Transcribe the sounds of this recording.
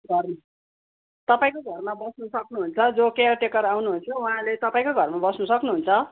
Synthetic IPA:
ɡʱʌrm | t̪ʌpaĩkoɡʱʌrmabʌsnusʌknuɦunt͡sʰʌd͡zokejarʈekʌɾawnuɦunt͡sʰuwaɦãlet̪ʌpaĩkoɡʱʌrmabʌsnʌsʌknuɦunt͡sʰʌ

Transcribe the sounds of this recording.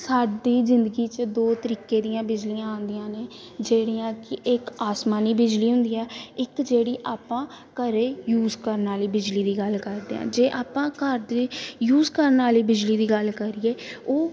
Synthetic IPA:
saːɖiːzɪnd̪əɡiːt͡ʃəd̪oːt̪əɾiːkeːd̪ijãːbɪd͡ʒliãːãːnd̪iãːneː | d͡ʒeːɽiːãːkɪɪkaːsmaːniːbɪd͡ʒliːɦʊ̃nd̪iːɛːɪkd͡ʒeːɽiːʔaːpãː | kəɾeːjuːzkəɾnaːliːbɪd͡ʒliːd̪iːɡəlkəɾd̪ḛːã̰ːd͡ʒeːʔaːpãːkəɾd̪ejuːzkəɾnaːliːbɪd͡ʒliːd̪iːɡəlkəɾiːeːoː

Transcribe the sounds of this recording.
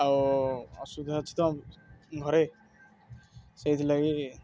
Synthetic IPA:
awɔsud̪ʱat͡ʃʰi̥t̪ɔɡʱɔɾe | sejt̪ʰilaɡi

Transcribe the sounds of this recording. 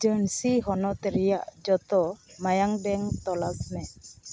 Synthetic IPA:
d͡ʒənsiɦɔnɔt̪ɛɾɛjaʔd͡ʒɔt̪ɔmajaŋbɛŋt̪ɔlabmɛ

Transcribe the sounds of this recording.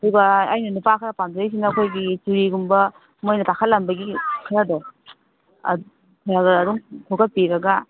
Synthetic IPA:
ɐduɡɐajnɐnupakʰɾɐpamdɾejs̬inːɐːkʰojɡit͡ʃuɾiɡumbɐ | mojnɐtakʰalɐmbɐɡikʰɐɾɐdɔ̰ | kʰaɾaɡɐɾɐɾuŋtʰoɡɐt̚piɾɐɡɐ

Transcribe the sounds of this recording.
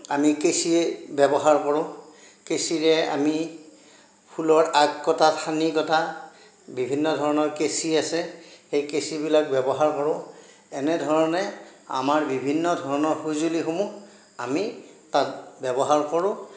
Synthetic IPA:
amikesiɛbɛbɔɦaɹkɔɹʊ̃ | kesiɹɛa̰mi | pʰulɔɹaɡkɔtatʰanikɔta | bibʱinːɔdʱɔɹɔnɔɹkesiasɛxejkesibilak̚bɛbɔɦaɹkɔɹʊ̃ | ɛnɛdʱɔɹɔnɛa̰maɹbibʱinːɔdʱɔɹɔnɔɹxuzulixumu | amitat̚bɛbɔɦaɹkɔɹʊ̃

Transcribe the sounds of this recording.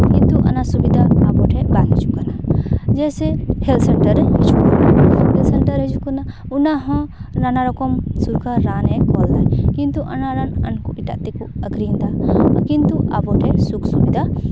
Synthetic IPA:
kint̪uʔa̰nasubid̪aːbɔʈʰɛbaɡ̪id͡ʒukanad͡ʒɛsɛhɛlsɛɳʈəɾhɛd͡ʒukanahɛlsɛɳʈəɾɦid͡ʒukana | unaɦɔ̃nanaɾɔkɔmsuɾkʰaɾanɛkɔld̪ajkint̪uʔa̰naɾana̰nkuʔiʈaʔt̪ɛkuəɡɾind̪akint̪uʔa̰bɔʈʰɛsuksubid̪ʱa

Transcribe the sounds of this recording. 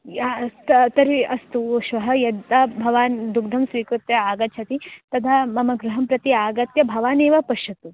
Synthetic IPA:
at̪ɐt̪ɐɾiɐst̪uʃʋɐɦɐjɐd̪t̪aːbʱɐʋaːnd̪ukd̪ʱɐmsʋiːkɾut̪jɐaːɡɐt̪t͡ʃʰɐt̪it̪ɐd̪ʱʰaːmɐmɐɡɾuɦɐmpɾɐt̪iaːɡɐt̪jɐbʱɐʋaːneːʋɐpɐʃɐt̪u

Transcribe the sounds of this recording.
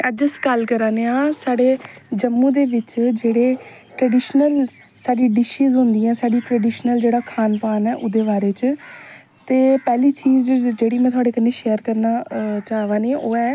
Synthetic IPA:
əd͡ʒəskalkəɾaːneːãːsaːɽeːd͡ʒəmːũːd̪eːʋɪt͡ʃd͡ʒeːɽeː | ʈɾəɖiːʃnəl | saːɖiːɖɪʃiːzɦʊ̃nd̪iːɛ̃ːsaːɖiːʈɾəːɖiːʃnəld͡ʒeːɽaːkʰaːnpaːnɛːʔʊd̪eːbaːɾeːt͡ʃ | t̪eːpɛːliːt͡ʃiːzd͡ʒd͡ʒeːɽiːmɛ̃ːt̪ʊaːɽeːkənːeːʃeːəɾkəɾnaːt͡ʃaːʋãːneːoːɛː

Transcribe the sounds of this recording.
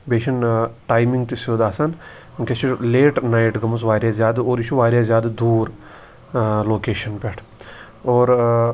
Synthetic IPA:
beːʃɐnʈaːjmiŋɡt̪isoːd̪aːsan | kʲet͡ʃʰileːʈnaiʈɡɐmus̬ʋaːɾjaːzʲjaːd̪oːɾit͡ʃʰuʋaːɾʲjaːzʲjaːd̪ɨd̪uːɾ | loːkeːʃɐnpʲeʈʰ | oːɾ

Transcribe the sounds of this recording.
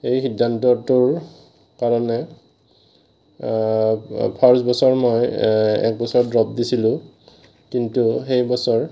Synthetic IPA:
ejxidːantɔtʊɹ | kaɹɔnɛ | pʰaɹsbɔsɔɹmɔjɛ̰k̚bɔsɔɹdɹɔp̚disilʊ̃ | kintuxejbɔsɔɹ

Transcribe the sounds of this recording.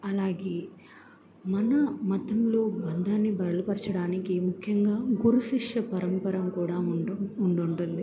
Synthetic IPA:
ɐlaːɡeː | mɐnɐmɐt̪ːɐmlo̞ːbɐnd̪ʱaːnːibɐɾɐlɐpɐɾɐt͡ʃɐɽaːnikimukʰjɐŋɡaːɡuɾusiʂɐpɐɾɐmpɐɾɐmkuːɽaːuɳɖuɳʈund̪i

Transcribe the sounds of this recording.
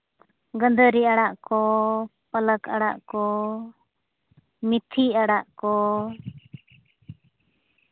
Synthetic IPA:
ɡənd̪əɾiaɽaʔkɔpələkaɽa̰ʔkɔ | mit̪ʰiaɽaʔkɔ

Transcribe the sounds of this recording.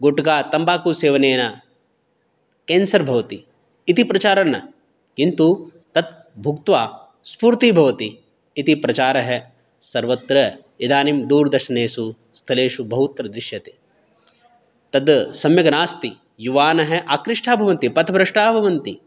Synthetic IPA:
ɡoʈɡaːt̪ɐmbaːkuseːʋɐneːnɐ | keːnsɐɾbʱɐʋɐt̪iː | t̪ipɾɐt͡ʃaːɾɐnɐ | kint̪u | t̪ɐd̪ | bʱukt̪ʋaː | spuːɾt̪ibʱɐʋɐt̪iː | t̪ipɾɐt͡ʃaːɾɐɦe | sɐɾʋɐt̪ɾɐ | id̪aːnimd̪uːɾd̪ɐɾʃɐneːsu | st̪ʰɐleːʂubɐɦut̪ɾɐd̪ɾɪʃjɐt̪e | t̪ɐd̪sɐmjɐɡɐnaːst̪i | juʋaːnɐɦeʔaːkɾɪʂʈʰaːbʱɐʋɐnt̪ipɐt̪ʰɐbɾɐʂʈaːbʱɐʋɐnt̪i

